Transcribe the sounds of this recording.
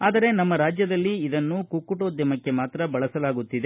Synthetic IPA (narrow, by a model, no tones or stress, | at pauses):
aːd̪ɐɾe̞nɐmːɐɾaːd͡ʒjɐd̪ɐlːiːd̪ɐnːukukːuʈoːd̪jɐmɐkːe̞maːt̪ɾɐbɐɭɐsɐlaːɡut̪ːid̪e̞